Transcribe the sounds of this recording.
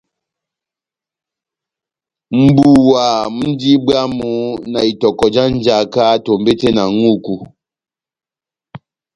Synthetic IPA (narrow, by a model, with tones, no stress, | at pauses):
m̩˨bu˨wa˨m̩˦di˦ba˦mu˨˦na˨i˨tɔ˨kɔ˨d͡ʒa˦n̩˦d͡ʒa˨ka˦to˨mbe˦te˦na˨ŋu˦˨ku˨